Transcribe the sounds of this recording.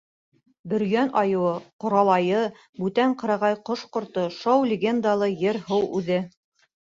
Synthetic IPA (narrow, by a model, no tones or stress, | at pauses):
bɵ̆ɾjænɑjɤ̆wɤqŏɾɑlˠɑjɤ | bʉt̪æɴqɤ̆ɾɑʁɑjqoʃqŏɾt̪oʃɑwlʲɪɡʲend̪alˠɤjɘɾhɤwʉðɘ